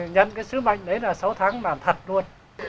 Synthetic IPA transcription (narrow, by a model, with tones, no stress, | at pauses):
ɲə̰˧˨nkaː˨˦jsɨ˨˥k̚ma̰˧˨jŋ̟ɗə˨˦jlaː˨˩sa˨˦wt̪ʰaː˨˦ŋɓaː˨˩nt̪ʰə˨˩t̚lu˧ən